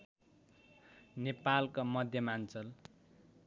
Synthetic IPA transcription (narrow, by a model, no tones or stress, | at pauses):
nepalkamʌd̪ʱjʌmant͡sʌl